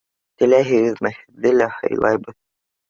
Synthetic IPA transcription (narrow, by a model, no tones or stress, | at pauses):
t̪ɘ̆læɦɘ̆ɡɘðmæhɘ̆ðːɘlæhɤ̰jlˠɑ̰jbɤð